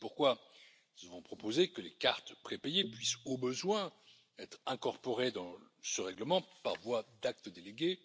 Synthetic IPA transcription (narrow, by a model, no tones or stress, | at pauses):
puʁkwa | zəvɔ̃pχɔpozekəlekaʁt̪pχepejepɥisobəzwɛ̃ | ɛt̪χɛ̃kɔʁpɔʁed̪ɑ̃səʁɛɡləmɑ̃pa̰ʁvwad̪ak̚t̪əd̪eleɡʲe